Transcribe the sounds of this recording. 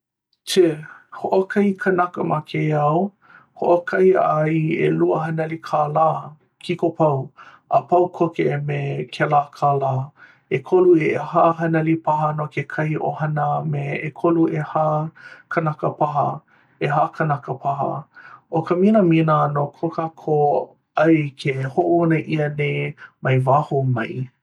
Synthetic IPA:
tʰehoʔokʰɐjkʰənɐkəmakʰejɐw | hoʔokʰɐjɐjḛluəɦɐnɐlikʰaːlaː | kʰikopʰɐw | əpɐwkʰokemekʰɛlaːkʰalaː | ekʰoluehaɦɐnɐlipʰaɦənokekʰɐhiʔo̰hɐnəmeekʰoluʔehakʰɐnɐkəpʰaɦɐ̰ | eɦakʰɐnɐkəpʰaɦə̰ʔokəminəminənokʰokakʰo | ɐjkʰehoʔuɐnəʔiənejmɐjvahomɐj

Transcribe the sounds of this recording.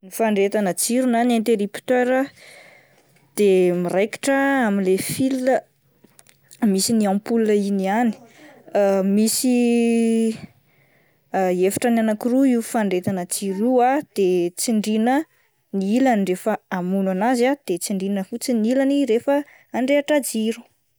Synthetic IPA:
nifaɳɖ͡ʐet̪anət͡siɾunanẽnt̪eɾipt̪øɾə | d̪̥emirajki̥ʈ͡ʂəamilefilːə | misiniãmpulunəiniani̥ | misi | efḁʈ͡ʂananakiruiufaɳɖ͡ʐet̪anət͡siɾuad̪̥et͡siɳɖ͡ʐinə | niilanirefəamunanazad̪̥et͡siɳɖ͡ʐinəfut͡siniilaniɾefə | aɳɖ͡ʐeaʈ͡ʂad͡ziɾu̥

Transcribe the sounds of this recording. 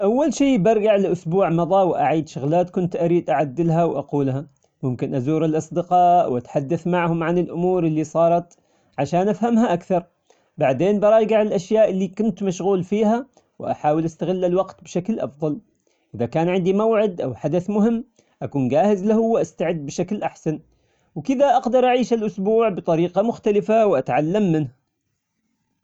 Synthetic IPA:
ʔawːalʃiːbɑɾˤɡaʕlɪʔʊsbuːʕmɑðˤɑwʔaʕiːd̪ʃʊɣlaːt̪kʊnt̪ʔaɾiːd̪ʔaʕad̪ːɪlɦawʔaquːlha | mʊmkɪnʔazuːɾɪlʔɑsˤd̪ɪqɑːʔwʔat̪ħad̪ːaθmaʕhʊmʕanɪlʔʊmuːɾɪlːisˤɑːɾˤɑt̪ | ʕaʃaːnʔafhamhaʔakθɑɾˤ | baʕd̪eːnbɑɾˤɑɑjɡaʕɪlʔaʃjaːʔɪlːikʊnt̪maʃɣuːlfiːha | wʔa̰ħaːwɪlʔast̪aɣɪlːalwɑqt̪bɪʃaklʔɑ̰fðˤɑl | ʔɪðakaːnʕɪnd̪imawʕɪd̪ʔa̰wħad̪aθmʊhɪmː | ʔakuːnd͡ʒaːhɪzlahʊwːʔast̪aʕɪd̪̚ːbɪʃaklʔaħsan | wkɪd̪aʔɑqd̪ɑɾˤʔaʕiːʃalʔʊsbuːʕbɨt̪ˤɑɾiːqɑmʊxt̪alɪfawʔat̪ʕalːamːɪnha

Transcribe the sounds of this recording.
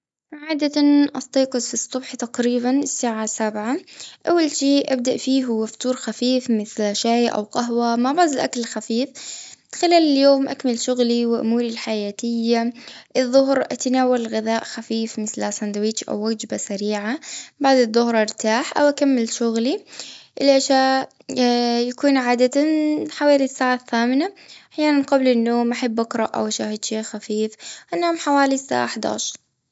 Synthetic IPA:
ʕaːd̪anʔɑst̪ˤiːqɨzfisˤːʊbħt̪aqɾiːbanɪsːaːʕasabʕaʔawːalʃiːʔab̚d̪aʔfiːɦʊwːaft̪uːɾˤxafiːfmɪθlʃajʔa̰wqɑɦwamaʕbaʕd̪ɪlʔa̰kalxafiːfxɪlaːlɪljoːmʔakmalʃʊɣliwɪʔʊ̰muːɾilħajaːt̪ɪjːaʔɨðˤːʊɦɾʔat̪naːwːalɣɪðaːʔxafiːfmɪθlʔasand̪awiːt͡ʃʔa̰wːad͡ʒbasaɾiːʕabaʕd̪ɨðˤːʊhɾˤʔɑɾt̪aːħʔa̰wʔakamːɪlʃʊɣliʔɪlʔaʃaː | jakuːnʕaːd̪at̪aħawaːlisːaːʕaθːaːmɪnaʔaħjaːnanqablɪnːoːmʔaħabːʔakɾˤɑʔʔa̰wʔaʃaːhɪd̪ʃeːxafiːfʔanːaːmħawaːlisːa̰ːʕaħd̪a̰ːʃɾˤ

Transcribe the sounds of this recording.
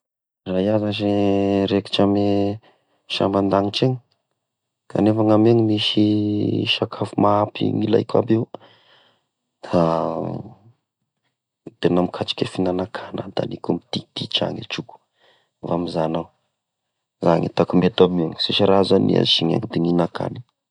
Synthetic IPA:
rajazazeɾeki̥ʈ͡ʂame | ʃa̰mband̪aŋiʈ͡ʂeŋ | kʰa̰nefaŋameŋimiʃiʃakʰafumaapḭŋila̰jka̰beu | d̪̥a | t̪enamikʰat͡ʃi̥kʲefinanakʰanəd̪a̰nikumit̪id̪̥it͡ʃa̰ŋet͡ʃuku̥ | vamizanaw | zaŋit̪akumet̪ameŋisiʃaɾazanḭa̰ʃiɲa̰ŋid̪iŋinaka̰ni̥

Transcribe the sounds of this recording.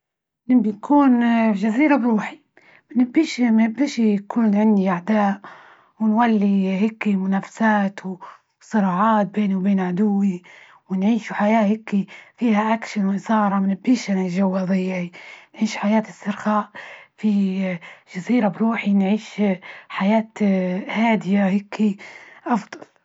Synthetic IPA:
nɪbinkʰuːnʒaziːɾabɾuːħi | mɪnɪbːiːʃmaɪbːɪʃikʰʊlːnʕɪnːiʔaʕd̪aːʔ | wɪnwalːihɪkːimʊnaːfḁsaːt̪w | sˤɨɾɑːʕɑːt̪̚beːnwbeːnʕʊd̪ʊwːi | wɪnʕiːʃuħajaːhɪkːifiːhaʔakʃanwʔɪsˤɑːɾˤɑmnɪbːiːʃanaʒawːɑðˤɪjːainʕiːʃħajaːt̪ɪsːɪɾxaːʔfi | ʒ̥aziːɾabɾuːħinʕiːʃħajaːt̪haːd̪ɪjahɪkʰːiʔɑfd̪ˤɑl

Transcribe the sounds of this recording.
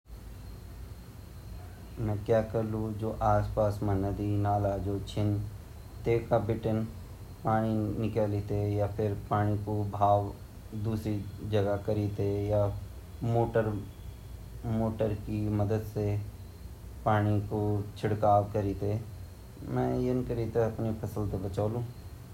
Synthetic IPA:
mɛ̃ːkjaːkəɾlud͡ʒoːʔaːspaːsmãnəd̪inaːlad͡ʒoːt͡ʃʰɪn | t̪eːkabɪʈən | paːɽ̃inɪkəlit̪ejapʰɪɾpaːɽ̃ikobʱaːʋ | d̪uːsɾid͡ʒɐɡakəɾiːt̪eja | moːʈəɾ | moːʈəɾkiməd̪əd̪se | paːɽ̃ikot͡ʃʰɪɽkaːʋkəɾiːt̪e | mɛ̃ːjənkəɾiːt̪eɐpnipʰɐsəlt̪ebɐt͡ʃaːlũː

